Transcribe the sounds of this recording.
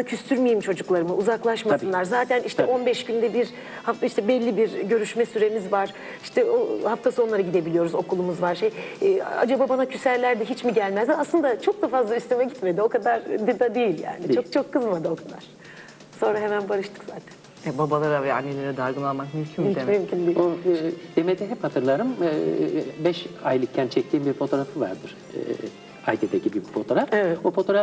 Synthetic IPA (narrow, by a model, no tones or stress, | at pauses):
cʰyst̪ʰyɾmejimt͡ʃʰo̞d͡ʒuklˠaɾɯmɯuzaklˠaʃmasɯnlˠaɾzaːt̪ʰæniʃt̪ʰɛʔo̞nbɛʃɟynd̪ɛbiɾ | haft̪iʃt̪ʰɛbɛlʲːibiɾɟø̞ɾyʃmɛsyɾe̞mizvaɾ̥ | iʃt̪ʰɛohaft̪ʰasɯonlˠaɾaɟid̪e̞bilʲijo̞ɾuzo̞kʰulˠumuzvaɾʃeja̰d͡ʒababanacʰysæɾlʲæɾd̪ɛɦit͡ʃmiɟælʲmæzd̪ɛaslˠɯnd̪at͡ʃʰo̞k̚d̪afazlˠaist̪ymɛɟit̪me̞d̪io̞kad̪aɾb̪id̪ad̪ejilʲja̰ːnit͡ʃʰokt͡ʃʰo̞kʰːɯzmad̪ɯo̞kʰad̪a̰ɾ̥ | so̞nɾaɦe̞mænbaɾɯʃt̪ʰɯ̥kz̥aːt̪ʰæ̥nn | ɛbabalˠaɾavɛanːelʲeɾɛd̪aɾɡɯnalˠmakmysʲʰunid̪et͡ʃjymkʲind̪iod̪̥emet̪ɛɦɛphat̪ʰɯɾlˠaɾɯmɯbɛʃajlˠɯk̚cʰːænt͡ʃʰɛc̚t̪ʰiːmbiɾfo̞t̪ʰo̞ːɾafɯva̰ɾd̪ɯɾ̥ | ɯ̰ | a̰jd̪ʰed̪ecibyjyc̚fo̞t̪o̞ɾafevɛofo̞t̪ʰoɾa